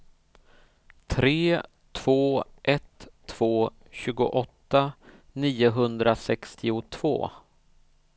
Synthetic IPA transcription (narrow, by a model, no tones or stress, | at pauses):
t̪ʰɾeː | t̪ʰv̥oːʔɛt̪ʰː | v̥oː | ɕʉ̟ːɡʊ̰ʔɔt̪ːa | niːʊɦɵnd̪ɾasɛkst̪ʰɪʊt̪ʰv̥o̰ː